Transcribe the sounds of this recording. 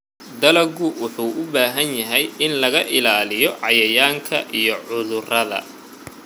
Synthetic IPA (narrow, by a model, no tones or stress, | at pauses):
d̪ɐlɐɡʊwʊħuːʔʊbaːɦɐnjɐɦɛjɪnlɐɣɐʔɪlaːlɪjɔʕɑjɐjaːŋkʰɐ̰ʔijɔʕʊðʊrɐðɐ̰